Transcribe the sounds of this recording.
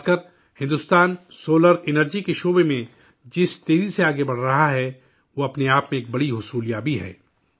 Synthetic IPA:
skəɾ | hɪ̃nd̪ʊst̪aːnsoːləɾɪnəɾd͡ʒikeʃoːbemẽ | d͡ʒɪst̪eːziseaːɡebɐɽ̤ɾɐɦaɦɛ | ʋoɐpneaːpmẽeːk̚bɐɽiɦʊsuːljaːbʱiɦɛ̰ː

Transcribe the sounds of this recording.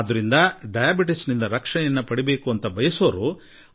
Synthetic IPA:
d̪ɐɾind̪ɐɖɐjaːbiʈisnind̪ɐɾɐkʂɐɳɛjɐnːɐpɐɽibe̞ːkuɐnt̪ɐbʱɐjɐsoːɾu

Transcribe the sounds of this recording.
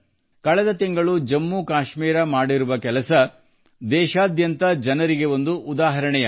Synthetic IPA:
kɐɭɛd̪ɐt̪iŋɡɐɭud͡ʒɐmːukaːʃmiːɾɐmaːɽiɾuʋɐkɛlɐsɐ | d̪ɛːʃaːd̪jɐnt̪ɐd͡ʒɐnɐɾiɡe̞o̞nd̪uʔːd̪aːɦɐɾɐɳɛjɐ

